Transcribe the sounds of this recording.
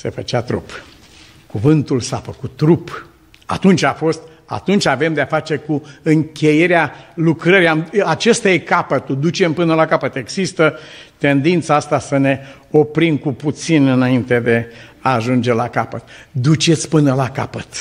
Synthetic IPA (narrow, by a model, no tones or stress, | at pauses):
se̞̰fət͡ʃeat̪ɾṵp | kuvɨnt̪ulsafəkut̪ːɾup | a̰t̪unt͡ʃʲafo̞st̪̚ | a̰t̪unt͡ʃʲave̞md̪eafat͡ʃe̞kuɨŋkʲe̞je̞ɾealukɾəɾiamat͡ʃest̪aje̞kapət̪ud̪ut͡ʃe̞mpɨnəlakapət̪e̞ɡzist̪ət̪e̞nd̪int̪saast̪asəne̞ | o̞pɾimkuput̪sinɨnaint̪e̞d̪e̞aːʒund͡ʒe̞lakapət̪d̪ut͡ʃe̞t̪sʲpɨnəlakapət̪